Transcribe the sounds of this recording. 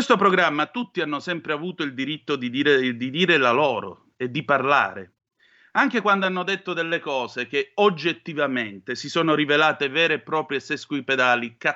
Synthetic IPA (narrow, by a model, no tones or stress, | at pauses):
west̪opɾoɡɾamːat̪ut̪ːianːosɛmpɾeavuːt̪oild̪iɾit̪ːod̪id̪iːɾed̪id̪iːɾelalɔːɾo̰ | ed̪ːiparla̰ːɾḛ | aŋk̟ekwand̪anːod̪et̪ːod̪elːekɔːzek̟eod͡ʒːet̪ːivament̪esisoːnoɾivelaːt̪evɛːɾeːpːɾɔːpɾjesɛskuiped̪aːlika